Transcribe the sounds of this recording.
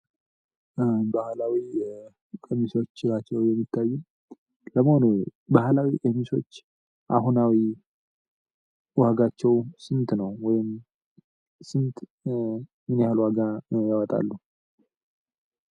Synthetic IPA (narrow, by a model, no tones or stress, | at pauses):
bahlawi | kʼəmiso̞t͡ʃːɪlat͡ʃːɛwjɛmːit̪ʰːajːum | ləməhonubahlawiʔəmiso̞̰t͡ʃː | ʔa̰ɦunawi | waɡat͡ʃːɛwsɨnt̪nəwwɔjɪm | sɨnt̪ | mɨnjalwaɡajawɔt̪ʼa̰lːu